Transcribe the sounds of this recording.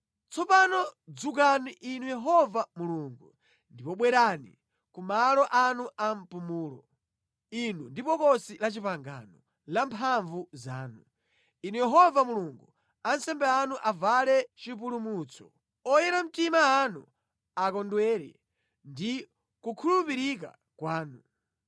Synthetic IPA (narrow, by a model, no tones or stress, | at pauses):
t͡sʰɔpanɔd͡zuk̬aniʔinujɛɦɔvamuluːŋɡu | ndipɔɓwɛɾanḭ | kumalɔʔanuʔam̩pumuːlɔ | inundipɔkɔsilat͡ʃipaŋɡa̰nɔ | lampʰaɱvuzaːnu | inujɛɦɔvamuluŋɡu | ansɛmbɛanuʔavalɛt͡ʃip̬ulumut͡sʰɔ̥̰ | ɔjɛɾam̩timaːnṵ | akɔndwɛːɾɛ̰ | ndi | kukʰulupiɾik̬a̰ | kwaːnu